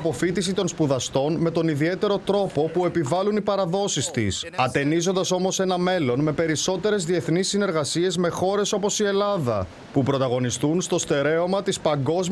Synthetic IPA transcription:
po̞fit̪isit̪o̞nspuðɐst̪o̞nme̞t̪o̞niðie̞t̪e̞ɾo̞t̪ɾo̞po̞pue̞pivɐlunipɐɾɐðo̞sist̪isɐt̪e̞nizo̞nd̪ɐso̞mo̞se̞nɐme̞lo̞nme̞pe̞ɾiso̞t̪e̞ɾe̞zðie̞θnisːine̞ɾɣɐsie̞zme̞xo̞ɾe̞so̞po̞sie̞lɐðɐ̰ | pupɾo̞t̪ɐɣo̞nist̪unst̪o̞st̪e̞ɾe̞omɐt̪ispɐŋɡo̞z

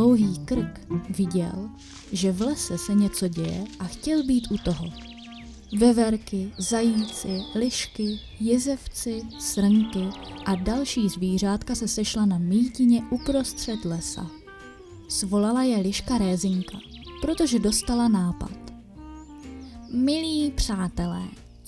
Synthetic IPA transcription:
owɦiːkɾɪkvɪɟɛ̰l | ʒɛvlɛsɛsɛɲɛt͡so̞ɟɛjɛ̰ʔaxcɛlbiːt̪ʔut̪o̞ɦo | vɛvɛɾkɪzajiːt͡sɪlɪʃkɪ | jɛzɛft͡sɪsɾ̩ŋkɪʔadalʃiːzviːr̝aːt̪kasɛsɛʃlanamiːcɪɲɛʔupɾo̞st̪r̝̥ɛt̪lɛsa̰ | svo̞lalajɛlɪʃkaɾɛːzɪŋkapɾo̞t̪o̞ʒɛdo̞st̪alanaːpa̰t̪ | mɪliːpr̝̥aːt̪ɛlɛ̰ː

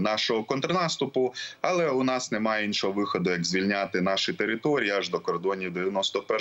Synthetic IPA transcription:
nɑʃɔɦɔkɔnt̪ɾɔnɑst̪ʊpʊɐlˠɛʊnɑsnemɑjɛinʃɔɦɔʋɪxɔd̪ʊjɐɡzʲʋʲilʲnʲat̪ɪnɑʃit̪eɾɪt̪ɔɾʲijiaʒd̪ɔkɔrd̪ɔnʲid̪eʋʲjɐnɔst̪ɔpɛ

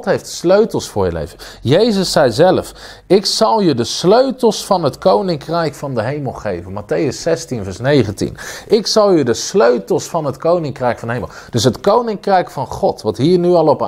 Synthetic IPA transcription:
tɦejftsløɥtəlˠsfʊːɹjə̰lḛjvənjejzəsːɛjzɛlf | ɪksɑlˠjədəsløɥtəlˠsfɑnɦətkownɪŋkrɛjkfɑndəɦejməlˠχḛjvənmatejəsːɛstinvɛɹsnejχəntḭnɪksɑlˠjədəsløɥtəlˠsfɑnɦətkownɪŋkrɛjkfɑndəɦejməlˠd̥ɵsɦətkownɪŋkrɛjkfɑnχɔtʋɑtɦiːɹnyɑlˠɔp

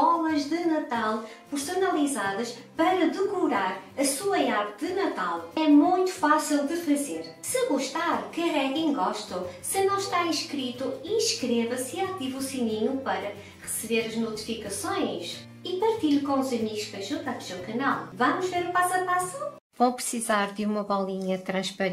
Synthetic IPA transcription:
ɔlˠɐʒðɨnɐt̪alˠ | pɨɾsunɐlˠizaðɐʃpɐɾɐðɨkuɾaɾɐsuɐaɾt̪ðɨnɐt̪a̰lˠɛmũj̃t̪u̥fasilˠd̪ɨfɐzeɾsɨɣuʃt̪aɾkɨɐʁɛɣĩɡɔʃt̪ɐsɨnɐ̃w̃ʃt̪aĩʃkɾit̪uiʃkɾevɐsiat̪ivusiniɲupɐɾɐ | ʁɨsɨβeɾɐʒnut̪i̥fikɐsõj̃ʃ | ipɐɾt̪iʎkõuzɐmiɣuʃpɐʒũt̪api̥zɐ̃wkɐnalˠvɐmuʒveɾupasɐpasu | võw̃pɾɨsizaɾðɨumɐβɔlˠiɲɐt̪ɾɐ̃ʃpɐɾ

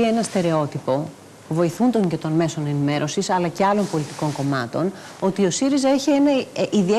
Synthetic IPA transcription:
ie̞nɐst̪e̞ɾe̞o̞t̪ipo̞ | puvo̞iθund̪o̞ɲce̞t̪o̞nme̞so̞ne̞nime̞ɾʔo̞sisɐlɐce̞ɐlo̞npo̞lit̪i̥ko̞ŋko̞mɐt̪o̞n | o̞t̪io̞siɾizɐeçie̞nɐʔiðie

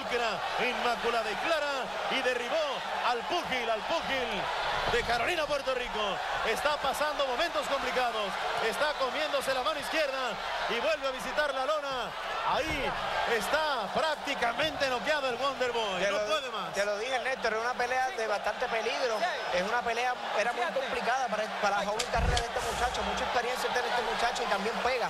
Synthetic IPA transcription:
ukeɾa | immːakulaðaiklaɾa | iðe̞riβo̞ | alpuxilalpuxil | d̪e̞kaɾo̞linapwe̞ɾt̪oriko̞ | est̪apasand̪o̞mo̞mẽnt̪o̞sko̞mplikaðo̞se̞st̪ako̞mjẽ̞nd̪o̞s̬e̞lamanoiskje̞ɾða | iβwe̞lβeaβ̞is̬it̪aɾlalona | aiest̪apɾak̚t̪ikamẽ̞nt̪e̞no̞k̬jaðoelɣwond̪e̞lβojenoweðemasseloðihenet̪oɾesunapeleaðeβast̪ant̪epeliɣɾoesunapeleaeɾamujkomplikaðapaɾpaɾafaumelkareɾaðest̪emut͡ʃat͡ʃomut͡ʃaekspeɾjensjat̪enest̪emut͡ʃat͡ʃoit̪ambjeŋpeɣa

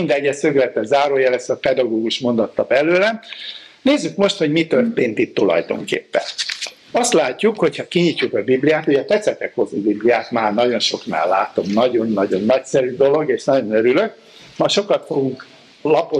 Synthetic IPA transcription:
ind̪ɛɟːɛsøɡlɛt̪ːɛzaːɾoːjɛlɛst̪ɒpɛd̪ɒɡoːɡuʃmo̞nd̪ɒt̪ːɒbɛløːlɛneːzːykmo̞ʃt̪hoɟmit̪ørt̪eːnt̪it̪ːulɒ̰jd̪o̞̰ŋkḛːpːɛ̰n | ɒst̪laːcːukho̞chɒkiɲicːukɒbiblijaːt̪uɟɛt̪ɛt̪sɛt̪ɛkho̞zubiblijaːt̪maːrnɒɟo̞nʃo̞kna̰ːlːa̰ːt̪o̞mnɒɟo̞nːɒɟo̞nːɒcsɛɾyd̪olo̞ɡeːʃnɒɟo̞nøɾyløk | mɒʃo̞kɒt̪foɡuŋk | lɒpo

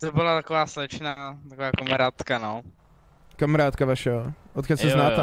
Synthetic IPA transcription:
t̪obɪlat̪akovaːslɛt͡ʃnaːt̪akovaːkamaɾaːt̪kano | kamaɾaːt̪kavaʃɛoot̪kɛsɛznaːɛ

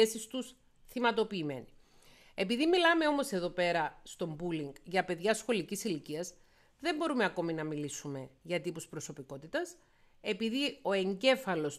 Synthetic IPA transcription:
esist̪us | θimɐt̪o̞piːme̞̰ni | e̞piðimilɐme̞o̞mo̞se̞ðo̞pe̞ɾɐst̪o̞mbuliŋɡʝɐpe̞ðʝɐsxo̞licisiliciɐz | ðe̞mbo̞ɾumeɐko̞minɐmilisume̞ʝɐt̪ipuspɾo̞so̞piko̞t̪it̪ɐs | e̞piðio̞e̞ɲɟe̞fɐlo̞s

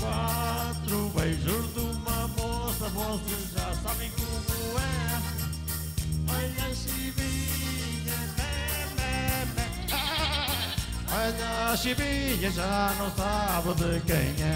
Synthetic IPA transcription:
kwat̪ɾuβɛjʒuɾðumɐmosɐvɔsezʒasaβẽj̃komuɛ | ɔʎɐʃiβiɲɐmɛmɛmɛ | ɔʎɐʃiβiɲɐʒanɐ̃w̃saβɨðɨkɐ̰̃j̃ɛ

